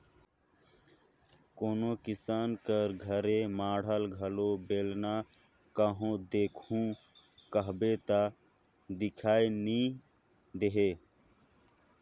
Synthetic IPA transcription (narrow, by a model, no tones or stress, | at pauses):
koːnokɪsaːnkəɾɡʱəɾemaːɽ̤əlɡʱəlobeːlna | kəɦõd̪eːkʰũ | kəɦbet̪a | d̪ɪkʰaːeni | d̪eɦe